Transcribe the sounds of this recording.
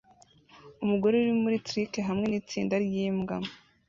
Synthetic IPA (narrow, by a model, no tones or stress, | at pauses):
umuɡo̞ɾeuɾimuɾitɾikeɦamŋe̞niːt͡siːndaɾjiːmɡa̰